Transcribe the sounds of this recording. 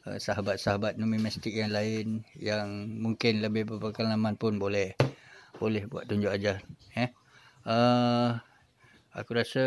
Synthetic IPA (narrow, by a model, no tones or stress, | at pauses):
ə̰saɦabat̪̚saɦabat̪̚numimɛst̪ɪk̚jaŋlaɪnjaŋmuŋkɪnləbɪhbəpəkanlamãnpʊnbolɛhb̥olɛhbua̰t̪ːuɲd͡ʒʊʔad͡ʒarɛ | ə | a̰kuɾasə